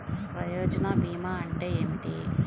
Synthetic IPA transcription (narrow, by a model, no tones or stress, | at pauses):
pɾɐjoːd͡ʒɐnaːbiːmaːɐɳʈeːeːmiʈḭ